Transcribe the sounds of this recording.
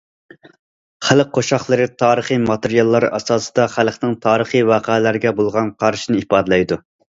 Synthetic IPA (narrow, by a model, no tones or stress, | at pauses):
χælq̚qʰːoʃɑχlˠɨɾɨt̪ʰɑːɾəχimɑt̪eɾijɑlˠːɑɾɑ̰sɑːsɨ̥d̪ɑχælˠqnɪŋt̪ʰɑːɾəχiwɑːqælæɾɡʲɛbolˠʁɑnqʰɑɾʃinɪipɑːd̪ɨlˠɛjd̪u